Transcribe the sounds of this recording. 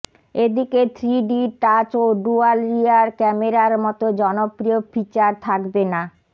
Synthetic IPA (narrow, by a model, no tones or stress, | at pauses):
ed̪iket̪ʰɾiɖiʈat͡ɕoɖualɾiaɾkɛmeɾaɾmɔt̪od͡ʑɔnopɾiofit͡ɕaɾt̪ʰakbena